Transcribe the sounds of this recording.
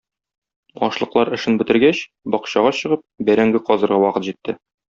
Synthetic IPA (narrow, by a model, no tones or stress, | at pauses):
ɒ̰ʃlˠɤ̆qlˠɑɾɘ̆ʃɘnbɘ̆t̪ɘ̆ɾɡæɕ | bɒqɕɑʁɑɕɤ̆ʁɤp̚bæɾæŋɡɘqɒzɤ̆ɾʁɑwɒqɤt̪ʑit̪ːɘ